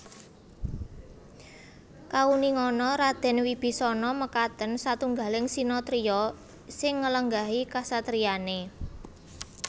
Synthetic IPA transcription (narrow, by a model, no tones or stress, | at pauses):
kauniŋɔnɔɾad̪̥ɛ̤nwib̥i̤sɔnɔməkat̪ənsat̪uŋɡalɪŋsinɔt̪ɾiɔ | sɪŋːələŋɡaɦikasat̪ɾiane